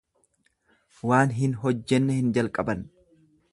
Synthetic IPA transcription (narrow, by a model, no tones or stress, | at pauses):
waːnɦɪnɦɔd͡ʒːɛnːɛhɪnd͡ʒɐlkʼɐbɐn